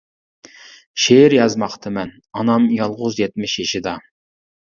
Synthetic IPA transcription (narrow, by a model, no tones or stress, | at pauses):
ʃeɾjɑzmɑχt̪ʰɨmɛn | ɑnɑmjɑlˠʁʊzjɛt̪̚mɪʃjiʃid̪ɑ